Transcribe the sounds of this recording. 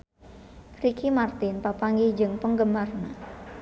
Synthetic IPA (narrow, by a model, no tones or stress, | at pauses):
ɾikʰimart̪ɪnpapaŋɡid͡ʒɨŋpəŋɡəmarna